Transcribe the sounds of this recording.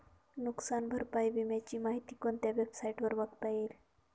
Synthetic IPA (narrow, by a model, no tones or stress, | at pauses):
nuksanbʱəɾpajbimjat͡ɕiːmaɦit̪iːkont̪jaʋebsajʈʋəɾʋəɡt̪aiːɾ